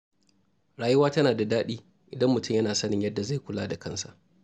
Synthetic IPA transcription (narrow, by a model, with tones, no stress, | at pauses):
ɽaː˨jʊ˦waː˦tɐ˦naː˨da˨daː˦ɗiː˦ | ʔɪ˨dɐ˦mːʊ˨tʊ˦mjɐ˦naː˨sɐ˦nɪ˨ɲjɐ˦dːa˨za˦˨kʷʊ˨laː˦da˨kɐ˦nsa̰˨ʔ